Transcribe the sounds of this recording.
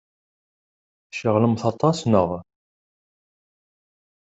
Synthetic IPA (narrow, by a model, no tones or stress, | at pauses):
ʃəʁləmθɑt̪ˤːɑsnəʁ